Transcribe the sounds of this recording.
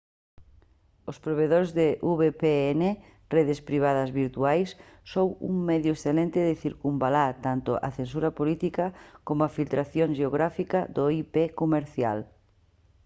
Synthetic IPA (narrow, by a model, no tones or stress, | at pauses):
ospɾoβ̞eðoɾzðɪʔuβepeene | reðɪspɾiβ̞að̞ɐzβiɾt̪uajsːowṵŋmeðjʊesθelent̪ɪðɪθiɾkumbalat̪ant̪ʊ̰ʔɐ̰θensuɾɐpolit̪ikɐkomʊafilt̪ɾaθjoŋʃeoɣ̞ɾafikɐd̪oipekomeɾθja̰l